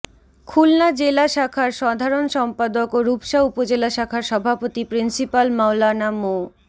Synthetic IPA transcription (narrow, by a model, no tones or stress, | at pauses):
kʰulnad͡ʑelaʃakʰaɾʃad̪ʱaɾonʃɔmpad̪okoɾupʃaupod͡ʑelaʃakʰaɾʃɔbʱapot̪ipɾinsipalmawlanamo